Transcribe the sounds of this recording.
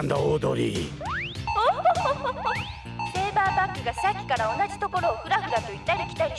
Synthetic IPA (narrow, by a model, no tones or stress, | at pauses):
nd̪aoːd̪o̰ɾʲḭ | o | keːbaːbakːɯ̟ɡaɕakʲːi̥kaɾao̞naʑit̪o̞ko̞ɾo̞ːɸɯ̟ɾaɸɯ̟ɡ̪at̪oit̪ːaɾikʲi̥t̪ai